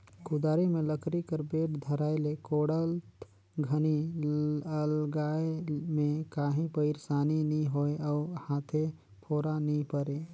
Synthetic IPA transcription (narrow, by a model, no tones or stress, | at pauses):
kʊd̪aːɾemẽləkɾikəɾbeːʈd̪ʱəɾaːɪlekoːɽəlt̪ | ɡʱəni | əlɡaːemẽkaːɦĩpəɪɾsaːniniɦoeɔːhaːt̪ʰe | pʰoːɾanĩpəɾe